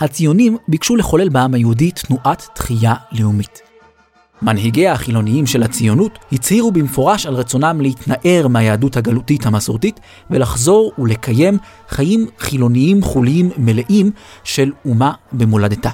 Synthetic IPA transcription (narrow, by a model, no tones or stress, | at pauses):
hat͡sijo̞nimbikʃule̞χo̞le̞lbaamhajeuditnuʔatːχijaleumit | manɦiɡeahaχilo̞niimʃe̞lhat͡sijo̞nuthit͡shiʁubimfo̞ʁaʃalʁet͡so̞namlehitnaʔe̞ʁmajeːduthaɡalutithamasoʁtit | velaχzo̞ʁule̞kʰaje̞m | χajimχilo̞niimχuliimːe̞leʔimʃe̞lumabemoladeta